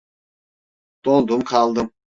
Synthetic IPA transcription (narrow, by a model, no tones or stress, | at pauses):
t̪olˠd̪umkʰɑlˠd̪ɯm